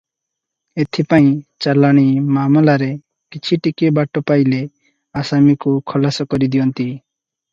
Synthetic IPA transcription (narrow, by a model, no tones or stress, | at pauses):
et̪ʰipaĩt͡ʃalaɽ̃imaːmɔlaɾe | kit͡ʃʰiʈikibaʈɔpajle | asamikukʰɔlasɔkɔɾid̪ijɔnt̪i